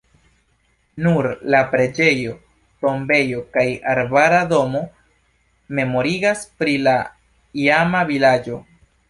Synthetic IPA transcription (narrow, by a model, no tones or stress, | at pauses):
nuɾlapɾe̞d͡ʒe̞jo̞ | to̞mbe̞jo̞kajaɾbaɾado̞mo̞ | me̞mo̞ɾiɡaspɾila | iamavilad͡ʒo̞